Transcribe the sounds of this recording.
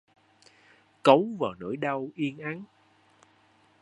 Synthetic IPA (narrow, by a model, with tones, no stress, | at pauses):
kə˨˦wvaː˨˩wno̰˧˩˥jɗa˧wʔi˧ənʔa˨˦n